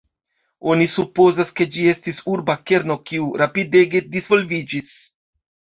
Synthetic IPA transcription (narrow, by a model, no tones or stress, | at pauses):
o̞nisupo̞zaske̞d͡ʒie̞stisuɾbake̞ɾno̞kiuɾapide̞ɡe̞dizvo̞lvid͡ʒis